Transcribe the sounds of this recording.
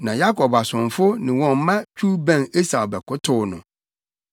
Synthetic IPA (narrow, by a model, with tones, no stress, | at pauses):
nã˨ja˦kʰɔ˨ba˨sʊ̃˨ɱfʊ˦nɪ̃˨wɔ̃˨mmã˦t͡ɕᶣu˦bæ̃˦˨ne˦sa˨bɛ˨kʊ˦tʰʊ˦nʊ̃˨